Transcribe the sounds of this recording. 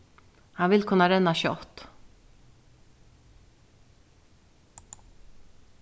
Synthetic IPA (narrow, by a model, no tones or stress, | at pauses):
hɑnʋɪlkʰʉnɑɾɛnɑʃʉɔt̪